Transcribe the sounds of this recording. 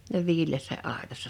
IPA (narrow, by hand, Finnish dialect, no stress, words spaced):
ne ʋiːlˑeːsːæ ɑˑetɑsːɑ